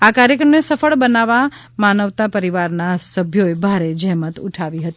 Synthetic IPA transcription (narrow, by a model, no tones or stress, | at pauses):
akaɾjəkɾəmnesəfəɭbənaʋa | manəʋt̪apəɾiʋaɾnasəbʱjoebʱaɾed͡ʒəɦmət̪ṵʈʰaʋiɦət̪i